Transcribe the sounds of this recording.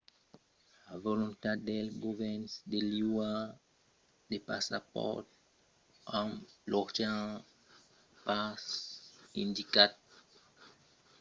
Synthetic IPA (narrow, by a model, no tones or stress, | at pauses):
avolɔ̃nt̪ad̪ɛlɡovɛnsd̪eliwa | d̪epasapɔ̰ʁt̪̚ | ãlɔʁt̪ã | pasĩnd̪ikat̪̚